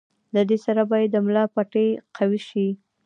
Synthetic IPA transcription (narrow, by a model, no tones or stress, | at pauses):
d̪əd̪esaɾabɑjad̪ːəmlɑpaʈeqʰawiʃi